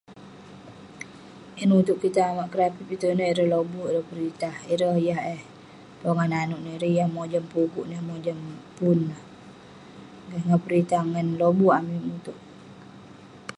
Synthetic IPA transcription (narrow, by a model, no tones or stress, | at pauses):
ʔinut̪uʔkit̪aːmaʔkəɾapipit̪unəhiɾəhlobuiɾəhpəɾit̪ahiɾəhjaɦəh | poŋananuʔniɾijahmod͡ʒəmpuɡuʔnəhmod͡ʒəmpunəh | ɡahŋapəɾit̪ahŋanlobuamimut̪uʔ